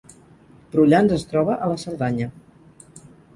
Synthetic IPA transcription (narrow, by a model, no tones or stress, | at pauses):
b̥ɾuʎanzəst̪ɾɔβəʔələsəɾðaɲə